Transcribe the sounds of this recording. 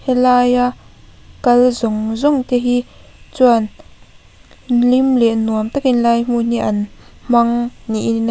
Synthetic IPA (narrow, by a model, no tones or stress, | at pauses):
hɛlajakɐlzʊŋzʊŋt̪ɛɦit͡suan | limlɛʔnuəmt̪akinlajm̥un̥iʔɐnm̥ɐŋniʔin